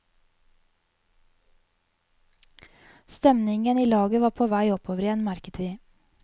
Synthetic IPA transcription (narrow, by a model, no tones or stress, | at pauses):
st̪ɛmnɪŋəniːlɑːɡəʋɑːpʰoːʋæɪɔpʰoːʋəɾɪɛnmæɾkət̪ʰʋiː